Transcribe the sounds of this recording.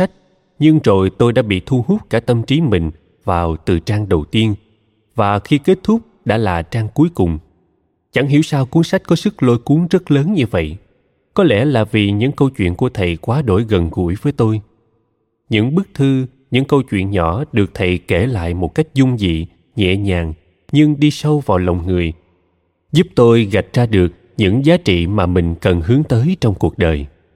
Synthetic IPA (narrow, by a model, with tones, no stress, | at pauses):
a˦˥k̟̚ | ɲɨ˧ŋzo˨˩jt̪o˧jɗa̰ː˧˥ɓḭ˧˨t̪ʰu˧ɦu˦˥k͡p̚kaː˧˩t̪ə˧mt͡ɕi˨˦mï˨˩ŋ̟ | vaː˨˩wt̪ɨ̰˨˩t͡ɕaː˧ŋɗə˨˩wt̪i˧ən | vaː˨˩xi˧ke˦˥t̚t̪ʰʊ˦˥k͡p̚ɗa̰ː˧˥laː˨˩t͡ɕaː˧ŋku˨˦əjkʊ˨˩ŋ͡m | t͡ɕa˧˩ŋɦḭ˧˩əwsaː˧wku˧˨˦əŋsa˦˥j̟̚kɔ˨˦sɨ˦˥k̚lo˧jku˨˦əŋzə˦˥t̚ləː˨˦nɲɨ˧və̰˧˨j | kɔ˨˦lɛ̰˧˥laː˨˩vi˨˩ɲɨ̰˧˥ŋkə˧wt͡ɕwḭ˧˨ənku˧˩ət̪ʰə˨˩jkwaː˨˦ɗo̰˧˩jɣə˨˩nɣṵ˧˩əjvəː˨˦jt̪o˧j | ɲɨ̰˧˥ŋɓɨ˦˥k̚t̪ʰɨ˧ | ɲɨ̰˧˥ŋkə˧wt͡ɕwḭ˧˨ənɲɔ̰˧˥ɗɨ˨˩ək̚t̪ʰə˨˩jke˧˩la̰ː˧˨jmo˨˩t̚ka˦˥jk̟̚zʊ˧ŋ͡mzḭ˧˨ | ɲɛ̰˧˨ɲaː˨˩ŋ | ɲɨ˧ŋɗi˧sə˧wvaː˨˩wlə˨˩wŋ͡mŋɨ˨˩əj | zu˦˥p̚t̪o˧jɣa˨˩jt̚zaː˧ɗɨ˨˩ək̚ | ɲɨ̰˧˥ŋzaː˨˦t͡ɕḭ˧˨maː˨˩mï˨˩ŋ̟kə˨˩nhɨ˨˦əŋt̪əː˨˦jt͡ɕɔ˧wŋ͡mku˨˩ək̚ɗəː˨˩j